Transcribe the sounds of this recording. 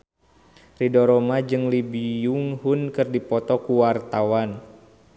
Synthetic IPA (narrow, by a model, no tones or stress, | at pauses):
ridɔɾɔmad͡ʒɨŋlibijuŋhunkɨrdipɔt̪ɔkuwart̪awan